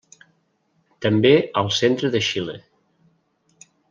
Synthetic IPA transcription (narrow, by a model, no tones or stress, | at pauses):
t̪əmbeəlˠsent̪ɾəðəʃilḛ